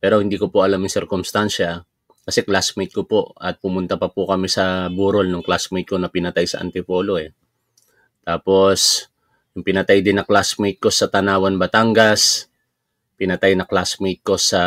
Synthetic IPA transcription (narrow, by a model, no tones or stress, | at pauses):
pɛːɾo̞hɪnd̪iːko̞poʔɐlamjʊŋsɪɾkʊmst̪anʃɐ | kɐsɛklasmejt̪̚kopo̞ʔɐt̪̚pʊmʊnt̪ɐpɐpʊkɐmisɐbuːɾolnʊŋklasmejt̪̚ko̞nɐpɪnɐt̪ajsɐ̰ʔɐ̰nt̪ɪpo̞ːlo̞ɛ | t̪aːpo̞s | jʊŋpɪnɐt̪ajd̪ɪnːɐklasmejt̪̚ko̞sɐt̪ɐnaːwɐnbɐt̪aŋɡɐs | pɪnɐt̪ajnɐklasmejt̪̚ko̞sɐ